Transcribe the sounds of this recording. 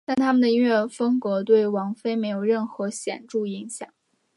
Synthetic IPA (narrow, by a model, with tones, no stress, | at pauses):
t̪a˥˩nt̪ʰa˥mə˨nd̪ə˩i˥nɥɛ˥˩fɤ˥ŋkwɔ˧˥t̪we˥˩ɪwɑ˧˥ŋfe˥ɪme˧˥ɪjo˨˩ʊɻə˥˩nxɤ˧˥ɕjɛ̰˨˩nʈ͡ʂu˥˩i˧˥ŋɕjɑ̰˨˩˦ŋ